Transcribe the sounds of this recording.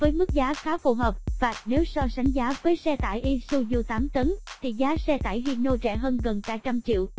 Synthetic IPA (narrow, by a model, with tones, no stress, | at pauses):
vəː˨˦jmɨ˦˥k̚zaː˨˦xaː˨˦wfṵ˧˩ɦəː˨˩p̚vaː˨˩ne˨˦wsɔ˧sa˨˦jŋ̟zaː˨˦vəː˨˦jsɛ˧t̪a̰ː˧˨jʔi˧su˧zu˧t̪aː˨˦mt̪ə˨˦nt̪ʰi˨˩zaː˨˦sɛ˧t̪a̰ː˧˩˨jɦi˧nːo˧t͡ɕɛ̰˧˩ɦəː˧nɣə˨˩nkaː˧t͡ɕa˧mt͡ɕḭ˧˨w